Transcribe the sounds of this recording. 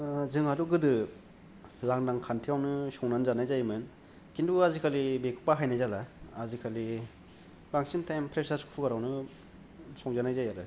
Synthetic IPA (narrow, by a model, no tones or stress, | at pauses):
zɯŋaduɡɯdɯ | laŋnaŋkʰantʰijawnɯsɔŋnanzanajzajmɯn | kinduazikʰalibekʰu̥paɦajnajzalaːzikʰali | baŋsintajmpʰɾesaskpʰukaɾawnɯ | sɔŋzanajzajaɾɯ